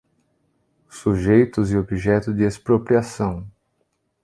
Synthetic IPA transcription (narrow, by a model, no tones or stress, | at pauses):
suʒejt̪ʊzɪobiʒɛt̪ʊd̪ɪespɾopɾiasɐ̃w̃